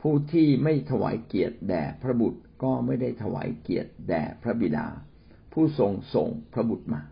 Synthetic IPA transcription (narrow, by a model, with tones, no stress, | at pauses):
pʰuː˥˩t̪ʰiː˥˩ma˥˩jt̪ʰa˧wa̰ː˩˦jki˨˩ət̪̚dɛː˨˩pʰɾa˦˥bu˨˩t̪̚kɔː˥˩ma˥˩jda˥˩jt̪ʰa˧wa̰ː˩˦jki˨˩ət̪̚dɛ̰ː˨˩pʰɾa˦˥bi˨˩da̰ː˧ | pʰuː˥˩so˧ŋso̰˨˩ŋpʰɾa˦˥bu˨˩t̪̚maː˧